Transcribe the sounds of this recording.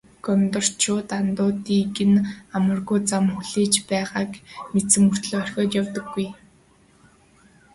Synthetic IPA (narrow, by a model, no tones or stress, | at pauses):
ɡ̥ɔmt̪ə̆r̥t͡ɕʰʊːt̪ant̪ʊːt̪iːɡɘ̆namə̆rɣujt͡samxuɮiːt͡ɕpæːʁaːkmesɘ̆mur̥t̪ɮːœr̥ʲxʲɔːt̪jawt̪ə̆ɡːuj